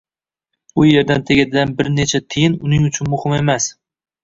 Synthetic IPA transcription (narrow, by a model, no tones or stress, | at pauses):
ʊje̞ɾd̪ant̪ʰeɡʲad̪ɪd̪anbɪɾnet͡ʃʰat̪ʰɪjɪnʊnɪŋʊt͡ʃʰʊnmʊhɪme̞mas